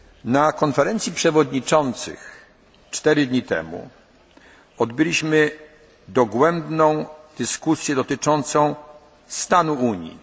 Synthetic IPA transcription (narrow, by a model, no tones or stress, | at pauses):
nakɔnfɛɾɛnt̪sʲjipʂɛvɔd̪ɲit͡ʂɔnt̪sɘ̰x | t͡ʂt̪ɛɾɘd̪ɲit̪ɛ̰mṵ | ɔd̪bɘlʲiɕmɘ | d̪ɔɡwɛmbnɔ̃w̃d̪̥ɘskusʲjɛd̪ɔt̪ɘt͡ʂɔnt̪sɔ̃w̃ | st̪anuuɲjḭ